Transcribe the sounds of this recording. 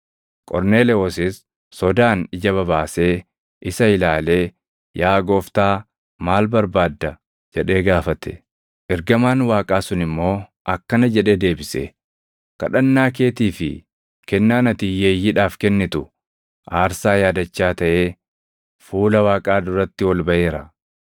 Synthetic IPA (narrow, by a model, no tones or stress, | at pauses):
kʼɔɾne̞ːlɛoːsɪs | sɔd̪aːnɪd͡ʒɐβɐβaːse̞ː | ʔɪsɐɪlaːle̞ː | jaːɡo̞ːft̪aː | maːlbɐɾbaːd̪ːɐ | d͡ʒɛᶑe̞ːɡaːfɐt̪ɛ̥ | ʔɛɾɡɐmaːnwaːkʼaːsʊnɪmːo̞ːʔɐkːɐnɐd͡ʒɛᶑe̞ːd̪e̞ːbɪsɛ̰ | kɐ̰ᶑɐnːaːk̬e̞ːt̪iːfɪ̰ | kɛnːaːnɐt̪iːjeːjːɪᶑaːfkɛnːɪt̪ʊ | ʔaːɾsaːjaːd̪ɐt͡ʃːaːt̪ɐʔe̞ː | fuːlɐwaːkʼaːd̪ʊɾɐt̪ːɪwɔlbɐʔe̞ːɾɐ